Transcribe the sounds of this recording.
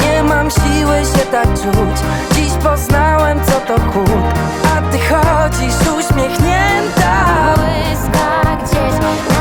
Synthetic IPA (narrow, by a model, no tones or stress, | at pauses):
ɲɛmamɕiwɘɕɛt̪aɡ̚t͡ʂut͡ɕ | d͡ʑiɕpɔznawɛmt̪sɔt̪ɔkʰupa | aɡd̪ɘxɔd͡ʑiʂuɕmʲjɛxɲɛnt̪awɪzk̪aɡd͡ʑɛɕ